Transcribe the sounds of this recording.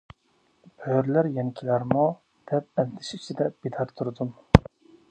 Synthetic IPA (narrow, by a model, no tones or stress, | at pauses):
b̥øɾlæɾjɛnkʲʰilæɾmu | d̪̥ɛp̚bɛnd̪ɪʃit͡ʃʰid̪ɛb̥id̪ɑɾt̪ʰːuɾɨd̪um